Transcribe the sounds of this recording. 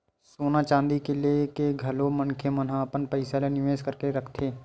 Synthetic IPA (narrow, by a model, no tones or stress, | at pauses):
soːnat͡ʃãːnd̪ikelekeɡʱɐlomənkʰemənɦãɐpənpəɪsalenɪʋeːʃkəɾkeɾɐkʰt̪ʰeː